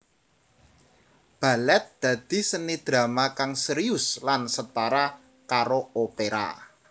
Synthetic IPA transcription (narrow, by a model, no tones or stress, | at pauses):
b̥a̤lɛt̪̚d̪̥ä̤d̪̥i̤sənid̪̥ɾa̤makaŋsəɾiʊslansət̪aɾa | kaɾoopeɾa̰